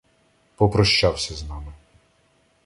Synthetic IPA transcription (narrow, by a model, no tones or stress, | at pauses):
pɔpɾɔʃt͡ʃawsʲɐznɑmɪ